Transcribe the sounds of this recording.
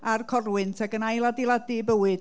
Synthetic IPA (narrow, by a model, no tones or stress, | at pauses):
arkʰɔrwɨntʰaɡənajlˠadilˠadibəwɨd